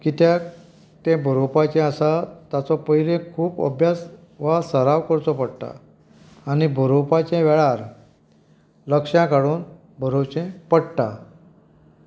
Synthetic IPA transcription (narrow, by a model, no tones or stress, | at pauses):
kit̪jak | t̪ɛ̃bʱəɾopat͡ɕɛ̃əsat̪jat͡sɔpəjɾẽkʰuːpə̰bʱjas | ʋasəɾaʋkəɾt͡sɔpəɽt̪a̰ː | nibʱəɾopat͡ɕɛ̃ʋɛɭaɾ | ləkʂjãkaɽuːn | bʱəɾot͡ɕɛ̃pəɽt̪a